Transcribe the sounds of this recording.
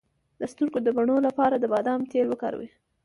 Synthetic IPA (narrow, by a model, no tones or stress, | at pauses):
d̪̥əst̪uɾkod̪əbaɳolapɑɾad̪əbɑd̪ɑmt̪elwəkɑ̰ɾa̰wḭ